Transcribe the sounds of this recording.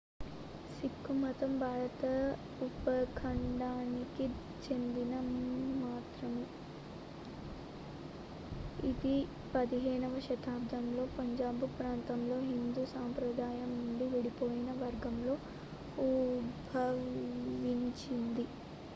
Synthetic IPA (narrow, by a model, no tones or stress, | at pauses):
sikːumɐt̪ɐmbʱaːɾɐt̪ɐ | upɐkʰɐɳɖaːniki | t͡ʃe̞nd̪inɐːaːt̪ɾɐmu | id̪i | pɐd̪iɦɛːnɐʋɐʃɐt̪ʰaːb̚d̪ɐmlo̞ːpɐɲd͡ʒaːbupɾaːnt̪ɐmlo̞ːɦind̪uːsaːmpɾɐd̪ʱaːjɐmnuɳɖiʋiɽipo̞ːjinɐʋɐɾɡɐmlo̞ː | ubʱɐ | ʋiɲt͡ʃind̪i